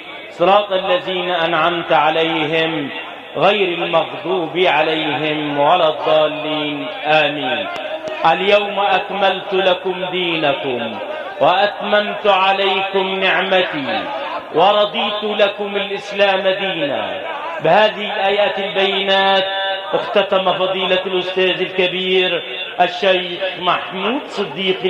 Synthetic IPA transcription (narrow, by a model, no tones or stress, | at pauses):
sˤːɑɾˤɑːt̪ˤʔalːaðiːnaʔanʕamt̪ʕalajɦɪm | ɣajɾalmɑɣd̪ˤuːbiʕalajɦɪmʕalaːd̪ˤːɑːlːiːn | ʔaːmiːn | ʔaljawmʔakmalt̪lakʊmd̪iːnakʊm | waʔat̪mamt̪ʊʕalajkʊmnɪʕmat̪iwɪɾˤɑd̪ˤiːt̪ʊlakʊmɪlʔɪslaːmad̪iːna̰ | bɪhaːðɪhɪlʔaːjaːt̪ɪlbajːɪnaːt̪̚ʔɪxt̪at̪amafɑðˤiːlalʔʊst̪aːðɪlkabiːɾ | ʔaʃːaj | xmaħmuːd̪sˤɨd̪ːiːq